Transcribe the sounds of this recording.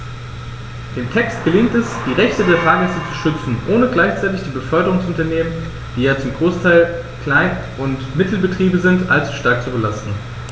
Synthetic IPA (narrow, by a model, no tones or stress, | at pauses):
d̥eːntʰɛkstɡ̥əlɪŋtɛsd̥iːʁɛçtədeːɐfaːɡɛsət͡su̥ʃʏt͡sn̩ʔoːnəɡlaɪçt͡saɪtɪçd̥iːbəfœɐdəʁʊŋsʊntɐneːmən | d̥iːjaːt͡sʊmɡʁoːstʰaɪl | kl̥aɪn | ʔʊntmɪtl̩bətʁ̥iːbəzɪntʔalt͡su̥ʃtaɐk̚t͡subəlastn̩